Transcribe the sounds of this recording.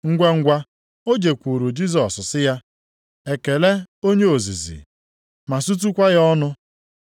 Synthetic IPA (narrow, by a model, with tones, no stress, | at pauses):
ŋ̩˦ɡʷa˦ŋ̩˦ɡʷa˦ | o˦d͡ʒe˨kʷu˨ɾu˨d͡ʒi˦zɔ˨ssɪ˦ja˦ | e˨ke˨le˦o˦ɲe˦o˨zi˨zḭ˨ | ma˨su˦t̬u˦kʷa˦ɣa˦ɔ˦nʊ˦